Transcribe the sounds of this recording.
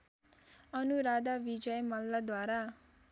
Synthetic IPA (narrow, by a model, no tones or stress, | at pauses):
ʌnuɾad̪abid͡ʒʌjmʌlːad̪waɾa